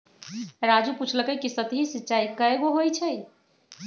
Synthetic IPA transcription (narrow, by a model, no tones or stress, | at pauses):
ɾad͡ʒuput͡ʃʰləkəkisət̪iɦisitːʃaikəeɡoɦojt͡ʃʰəj